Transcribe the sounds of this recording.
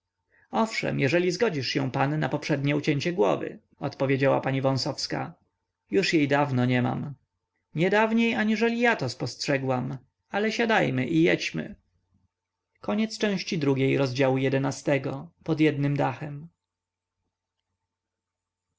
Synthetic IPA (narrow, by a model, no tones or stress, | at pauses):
ɔfʂɛ̰mjɛʐɛlʲizɡɔd͡ʑiʂɕɛ̰̃w̃panːa̰pɔpʂɛd̪ɲɛut͡ɕɛɲt͡ɕɛɡwɔ̰vɘ̰ | ɔt̪pɔvʲjed͡ʑawa̰paɲivɔ̃w̃sɔfska̰ | juʂjejd̪avnɔɲɛma̰m | ɲɛd̪avɲejaɲiʐɛlʲijat̪ɔspɔstʂɛɡwam | alɛɕad̪ajmɘʔijɛt͡ɕmɘ̰ | kɔɲɛt̪st͡ʂɛ̃w̃ɕt͡ɕid̪ɾuɡʲejɾɔzd͡ʑawujɛd̪ɛnast̪ɛɡɔpɔd̪jɛd̪nɘmd̪axɛm